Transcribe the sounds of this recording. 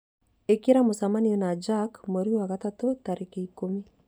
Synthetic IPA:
ekeɾamosamaniɔnad͡ʒakmoɾiowaɣatatotaɾekeikomi

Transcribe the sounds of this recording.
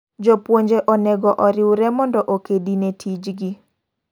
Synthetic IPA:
d͡ʒɔpwoɲd͡ʒeʔɔnɛɡɔʔɔɾɪwɾɛmɔndɔʔokedinetʰid͡ʒɡi

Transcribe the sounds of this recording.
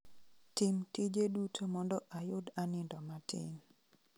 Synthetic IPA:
tɪmtid͡ʒedutʰomɔndɔʔajʊdanɪndɔmatʰɪ̰n

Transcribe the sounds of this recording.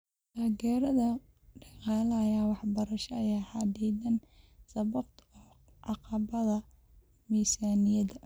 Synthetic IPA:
d̪aːɡɛːɾɐðɐ | ɖɑqɑːlɐːjaːwɑħbɐɾɐʃɐːjaːħɑd̪ɛd̪ɐnsɐβɐb̚t̪ʰɔ | ʕɑqɑβɐðɐ | miːsaːnɪjɐðɐ

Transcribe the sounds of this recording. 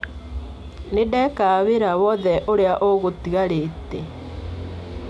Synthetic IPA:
nedɛkaːβeɾawɔðɛʔoɾeaʔoɣotiɣaɾetɛ

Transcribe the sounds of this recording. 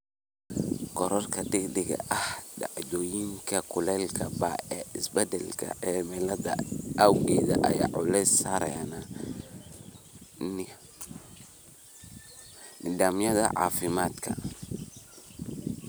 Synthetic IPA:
ɡɔɾɔrkʰɐd̪ɪɡdɪɡɐ̰ʔɐhɖɑʕd̪ɔjiŋkʰɐkʰʊlɛlkʰɐbaɛːʔɪsbɛd̪ɛlkʰɐ̰ɛmɛlɐðɐ̰ʔawɡɛːðɐʔɐja̰ːʕʊlɛsaɾɛ̰nɐ | nɪ | nɪd̪aːmjɐðɐ̰ʕɑ̰ːfɪmaːd̪kʰɐ̰

